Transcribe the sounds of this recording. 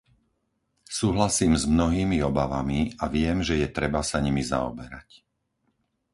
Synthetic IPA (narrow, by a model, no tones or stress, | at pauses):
suːɦlasiːmzmnɔɦiːmiɔbaʋamiaʋɪɛmʒɛjɛt̪ɾɛbasaɲimiza̰ɔ̰bɛɾac